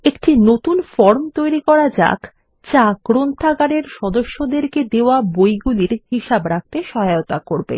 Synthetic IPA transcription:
ekʈinot̪unfɔɾmt̪ojɾikɔɾad͡ʑa̰k | t͡ɕakɾont̪ʰaɡaɽeɾʃɔd̪oʃːod̪eɾked̪eoabojɡuliɾhiʃabɾak̚t̪eʃɔɦajot̪akoɾbḛ

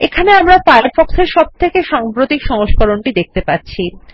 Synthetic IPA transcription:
ekʰaneamɾafaɾfɔkseɾʃɔb̚t̪ʰekeʃaŋpɾot̪ikʃɔŋoʃkɔɾoɳʈid̪ek̚t̪epatːɕʰi

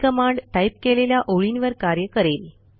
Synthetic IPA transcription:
kəmaɳɖʈajp̚keleljaʔoɭinʋəɾkaɾjəkəɾel

